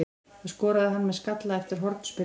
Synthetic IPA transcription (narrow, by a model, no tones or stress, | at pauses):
aðskɔːɾaðɪɦanːmɛðskat̪laðɛft̪ɪɾ̥ɦɔɾt̪n̥spɪ